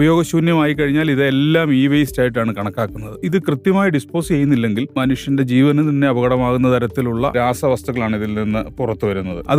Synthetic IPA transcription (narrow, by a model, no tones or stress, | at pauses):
bɐjo̞ːɡɐɕuːnjɐmaːjik̬ːɐɻiɲːaːliðe̞lːaːmiːʋejstaːjiʈ̬ːaːɳɨkɐɳɐkːaːkːunːɐðɨiðɨkrɨt̪jɐmaːjɐɖispo̞ːst͡ɕe̞jːunːilːe̞ŋɡilmɐnuʂjɐnde̞d͡ʑiːʋɐnɐmt̪ɐnːe̞ɐʋɐɣɐɽɐmaːɣunːɐt̪ʰɐɾɐt̪ːiluɭːɐ̰ɾaːsɐʋɐst̪uɣɐɭaːɳiðilninːɨpurɐt̪ːuʋɐɾunːɐðɨɐ̰ð